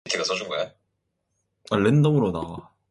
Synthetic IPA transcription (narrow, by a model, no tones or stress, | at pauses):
tʰeɡasʰʌd͡ʑuŋɡʌja | aɭːendomɯɾoda̰